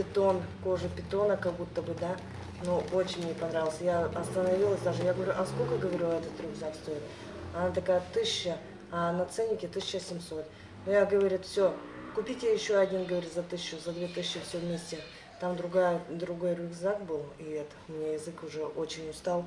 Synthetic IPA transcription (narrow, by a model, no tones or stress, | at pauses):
pʲɪt̪o̞nko̞ʐɨpʲɪt̪o̞nəkɐɡ̚but̪ːəbɨd̪a | nuo̞t͡ɕɪnʲmnʲepɐnɾavʲɪlˠəsʲəjaɐst̪ənɐvʲilˠəsʲd̪aʐɨjaɡəvɐɾʲuʔɐskolʲkəɡəvɐɾʲuɛt̪ət̪rʊɡzakst̪o̞jɪlʲˠə | ɐnat̪ɐkajət̪ɨɕːə | ɐnɐt̪sɛnʲːɪkʲɪt̪ɨsʲt͡ɕːəsʲɪmʲso̞t̪ | nʊjaɡəvɐɾʲit̪fsʲo̞kʊpʲitʲjajɪɕːo̞ɐdʲinɡəvɐɾʲitʲzɐt̪ɨsʲɕːʊzɐd̪vʲet̪ɨs̬ʲɕːɪfsʲovmʲesʲtʲɪ | t̪amd̪ɾʊɡajəd̪ɾʊɡo̞jrʊvzakbɨlˠiet̪mʲnʲejɪzɨkʊʐɛʔo̞t͡ɕɪnʲʊst̪alˠ